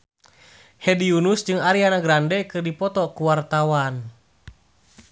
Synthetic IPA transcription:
hɛdiunusd͡ʒɨŋaɾianaɡɾandɛkɨrdipɔt̪ɔkuwart̪awan

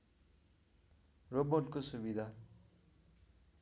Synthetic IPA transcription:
robonkosubid̪ʱa

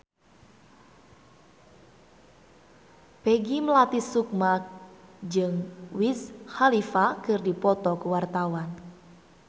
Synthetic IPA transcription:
peɡiməlat̪isuk̚mak̚d͡ʒɨŋwishalifakɨrdipɔt̪ɔkuwart̪awan

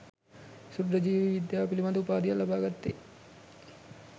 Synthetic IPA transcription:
sud̪ɾəd͡ʒiːʋiʋid̪jaːpilimad̪upaːd̪ijalabaːɡat̪ːe

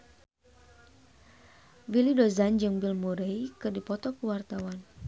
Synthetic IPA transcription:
wilidozand͡ʒɨŋbilmuɾejkɨrdipɔt̪ɔkəwart̪awan

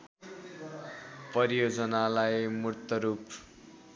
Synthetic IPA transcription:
pʌɾijod͡zʌnalajmurt̪ʌɾup

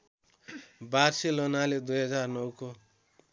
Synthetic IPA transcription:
barselonaled̪ujɦʌd͡zarnʌwko

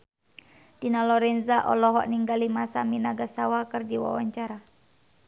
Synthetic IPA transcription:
d̥inalɔɾɛnzaʔɔ̰lɔɦɔ̰ʔniŋɡalimasaminaɡasawakɨrdiwa̰wa̰ɲt͡ʃaɾa

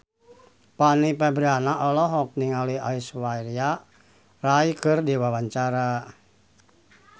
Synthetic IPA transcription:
panipɛbɾianaʔɔlɔɦɔk̚niŋaliaiswairia | raikɨrdiwawaɲt͡ʃaɾa

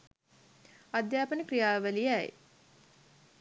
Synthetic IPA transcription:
ad̪jaːpənikrijaːʋəlijæj

